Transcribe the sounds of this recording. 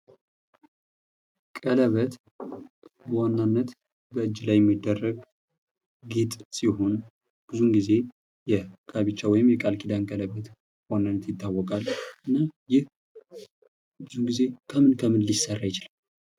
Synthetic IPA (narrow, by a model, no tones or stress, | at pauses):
kʼələβət̪ | wanːanːət̪ | bəɨd͡ʒːlajːɛmːid̪ːərːəɡ | ɡit̪ʼsiɦo̞n | b̥ɨzuŋɡize̞ | jɛkʰaβit͡ʃːawɔjɪmjɛkʼalkʼid̪ankʼələβət̪ | wanːanːət̪jɪt̪ʰːawːɔkʼalʔɨnːajɪh | bɨzuɡize̞kʰəmɨnkʰəmɨnlisərːajɪt͡ʃɪlal